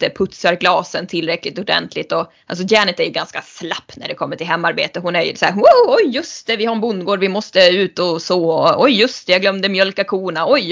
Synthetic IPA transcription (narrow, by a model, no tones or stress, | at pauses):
əpʰɵt̪saɾɡlɑːsənt̪ʰɪlːɾɛkːlɪt̪ʊɖɛ̰nt̪ʰlɪt̪ɔ | a̰ls̬ɔd̪jæːnɪt̪æɾjɵɡanska̰slapːnæ̰ɖɛkʰɔmːəʈʰɪlɦɛmːaɾbḛːt̪əɦʊnæɾj̰sɔæ̰ːɦoɔjːɵst̪ɛvɪhaɾɛnbʊnd̪ɡoːɖvɪmɔst̪əʉ̟ːt̪ɔsoːɔɔjːɵst̪ɛjɑɡlœmd̪əmjœlkakʰuːɳaɔj